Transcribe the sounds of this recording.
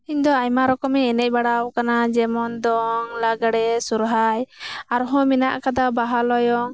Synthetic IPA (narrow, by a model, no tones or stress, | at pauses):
iɲd̪ɔajmaɾɔkɔmɛɛnɛc̚ˀbaɽawkanad͡ʒɛmɔnd̪ɔŋlaɡaɽɛsuɾɦajaɾɔɦɔ̃mina̰ʔkad̪abaɦalɔjɔŋ